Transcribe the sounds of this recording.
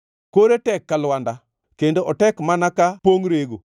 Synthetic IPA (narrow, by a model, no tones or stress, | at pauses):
koɾetɛkːalwanda | kendoʔɔtɛkmanakapoŋɾeɡo̰